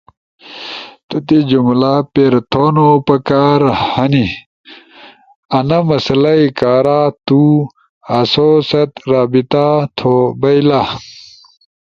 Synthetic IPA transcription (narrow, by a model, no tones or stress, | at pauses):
t̪ut̪ed͡ʑumlapeɾt̪ʰoːnopɐkaːɾhɐni | ɐnɐmɐsɐlɐikaːɾaːt̪u | ɐsosɐt̪ɾaːbit̪at̪ʰobɐjla